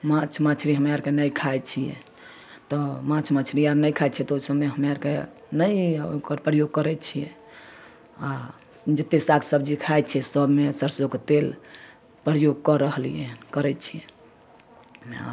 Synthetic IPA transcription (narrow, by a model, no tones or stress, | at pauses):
mat͡ʃʰmat͡ʃʰɾiɦəmjaɾkenəjkʰajt͡ʃʰijɛ̰ | t̪ɔmãt͡ʃʰmat͡ʃʰɾiaɾnəjkʰaj̪t͡ʃʰɛt̪ɔosəbmeɦəmjaɾke | nəjo̰kəɾpɾəjoɡ̚kəɾɛt͡ʃʰijɛ | a | d͡ʒət̪ːesakʰsəbd͡ʒikʰajt̪t͡ʃʰɛsəbmesəɾsoket̪el | pɾəjoɡ̚kɔɾəɦlijɛkəɾɛt͡ʃʰijɛ | a̰